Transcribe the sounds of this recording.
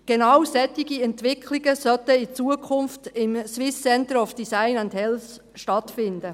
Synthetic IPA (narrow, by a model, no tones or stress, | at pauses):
ɡ̥enɑwsɛt̪ːiɡiɛntʋɪkʰliɡəsœtəit͡suəkʰʊnftɪmswɪsːɛnt̪əɾɔfd̥isaɪnænd̪hɛls | ʃtɑtfɪnd̪ə